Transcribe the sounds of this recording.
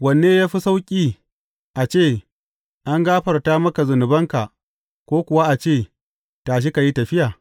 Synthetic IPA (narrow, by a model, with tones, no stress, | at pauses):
wɐ˨nːeː˦jaː˦ɸi˦sa˦wkʲʼiː˦ | ʔa˨t͡ʃeː˦˨ | ʔa˦ŋɡaː˦ɸɐ˨rtaː˦mɐ˦ka˨zʊ˨nʊ˨bɐ˦ŋka˨ | kʷoː˦kʷʊ˨wa˦ʔa˨t͡ʃeː˦˨ | taː˨ʃ̬ɪ˦ka˨ji˦tɐ˨ɸɪ˦jaː˨